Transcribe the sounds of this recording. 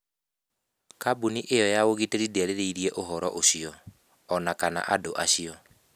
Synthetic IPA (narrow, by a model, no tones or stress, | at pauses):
kabuniʔejɔjaoɣiteɾideaɾeɾeiɾiɛʔoɦɔɾɔʔoɕiɔː | nakana̰ʔadoʔaɕiɔ